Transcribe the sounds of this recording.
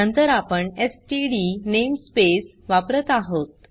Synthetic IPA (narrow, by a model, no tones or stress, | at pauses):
ənt̪əɾapəɳesʈiɽinemspes | ʋapɾət̪aɦot̪